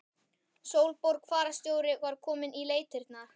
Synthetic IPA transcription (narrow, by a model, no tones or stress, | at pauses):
sowlpoɾkʰvaːɾast̪joːwɾɪvaɾ̥kʰɔːmɪnʔileːjt̪ɪɾt̪naɾ̥